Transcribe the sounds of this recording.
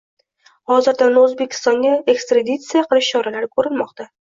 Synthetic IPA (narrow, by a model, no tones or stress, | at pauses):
hɒzɪɾd̪anɵzbekʲʰɪ̥st̪ɒŋɡʲae̞kst̪ɾad̪it̪sijaqʰɨlˠɪʃt͡ʃʰɒɾalaɾɪkʰɵɾɪnmɒqt̪a